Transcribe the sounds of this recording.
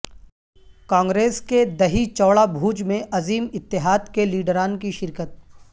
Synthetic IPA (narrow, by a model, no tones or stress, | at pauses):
kãːŋɡɾeːsked̪ɐɦit͡ʃɔːɭabʱuːd͡ʒmẽʔɐziːmɪt̪ːɪɦaːd̪keliːɖɾaːnkiʃɪɾkət̪̚